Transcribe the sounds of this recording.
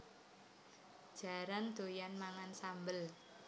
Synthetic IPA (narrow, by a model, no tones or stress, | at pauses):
ʒ̥a̤ɾand̪̥o̤janmaŋansambəl